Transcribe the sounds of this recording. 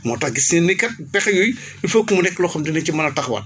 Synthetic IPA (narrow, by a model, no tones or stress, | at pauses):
mɔːtɐxɡisniːnːikɐt̚pɛxɐjuj | ufɐkːumunɛkːlɔxɐmdinɐcimɐnɐtɐxbɐ̰n